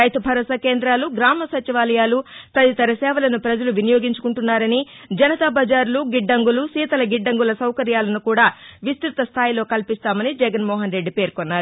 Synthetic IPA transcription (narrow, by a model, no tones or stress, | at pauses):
ɐjt̪ubʱɐɾɐsɐkeːnd̪ɾaːluɡɾaːmɐsɐt͡ʃiʋaːlɐjaːlupɾɐt̪it̪ɐɾɐsɛːʋɐlɐnupɾɐd͡ʒɐluʋinijo̞ːɡiɲt͡ʃu̥kuɳʈunːaːɾɐni | d͡ʒɐnɐt̪ɐbɐd͡ʒaːɾuluɡiɖːɐŋɡulusiːt̪ɐlɐɡiɖːɐŋɡulɐsɐwkɐɾjaːlɐnukuːɽaːʋist̪ɾut̪ɐst̪ʰaːjilo̞ːkɐlpist̪aːmɐnid͡ʒɛɡɐnmɔːɦɐnɾe̞ɖːipe̞ːɾkonːaːɾu